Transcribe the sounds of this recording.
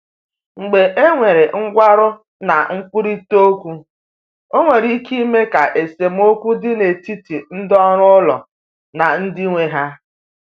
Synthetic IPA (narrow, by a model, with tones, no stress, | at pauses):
ŋ͡m̩˨ɡ͡be˨ʔe˦ŋʷe˨ɾe˨ŋ̩˦ɡʷa˦ɾʊ˦ | na˨ŋ̩˦k͡pʊ˦ɾi˦to˦kʷu˦ | o˦ŋʷe˨ɾi˦ki˦me˦ka˨ʔe˨se˨m̩˦o˦kʷu˦dɪ˦ne˨ti˦ti˨n̩˦dɔ˦ɾʊ˦lɔ˨ | na˨n̩˦dɪ˦ŋʷe˨ɦa˦